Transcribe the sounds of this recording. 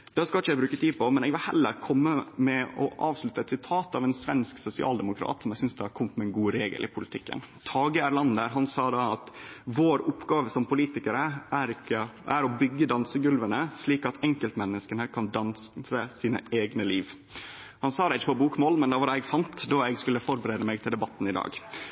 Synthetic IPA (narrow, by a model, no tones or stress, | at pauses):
d̪̥ɛskɑlɪçːəɛbɾʉːkət̪ʰiːd̪pʰɔmɛnɛːɡʋɪlhɛ̰lːə̰ɾkʰɔmːəmɛɔ̰ʔɑːʋslʉt̪ːəɛt̪sɪt̪ʰɑːt̪ɑʋɛnsʋɛnsksʊsɪɑ̰ːld̪ɛmʊkʰɾɑ̰ːt̪sɔmɛɡsʏnsd̪ɛhɑɾkʰɔmt̪mɛɛnɡuːɾeːɡə̰lʔɪ̰pʰʊlɪt̪ʰɪkːə̰n | t̪ʰɑːɡəæɾlɑnd̪əɾɦɑnsɑːd̪ɑɑt̪ʋoːɾʊpːɡɑːʋəsɔmpʰʊliːt̪ɪkəɾəʔæɾɪkːəʔæɾɔbʏɡːəd̪ɑnsəɡʉlʋənəsliːkɑt̪ʰɛŋkəlt̪mɛnːəskənəkʰɑnd̪ɑnssəsiːnə̰eːɡnəliːʋ | hɑnsɑːd̪ɑɪçːəpɔbuːkmoːlmɛnd̪ɑʋɑɾɛɡfɑnt̪d̪ɑːɛɡskʉləfɔɾbəɾeːd̪əmɛɡ̚t̪ʰɪld̪ɛbɑt̪ːn̩ɪd̪ɑ̰ːɡ